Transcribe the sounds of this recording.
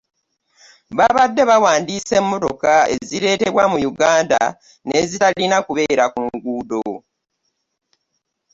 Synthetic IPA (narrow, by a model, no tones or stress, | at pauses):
βaβadːe̞βawaːndiːse̞mːo̞to̞kae̞̰ziɾe̞ːte̞βwamujuɡaːnda̰ | ne̞zitalinakuβe̞ːɾakuŋɡuːdo̰